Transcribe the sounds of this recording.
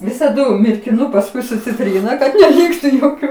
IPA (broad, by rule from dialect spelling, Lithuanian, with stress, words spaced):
ʋʲɪsɐˈdʊ mʲɪrʲkʲɪˈnʊ pɐsˈkʊɪ sʊ t͡sʲɪˈtʲrʲiːnɐ kɐt nʲɛˈlʲiːktʊ joːˈkʲuː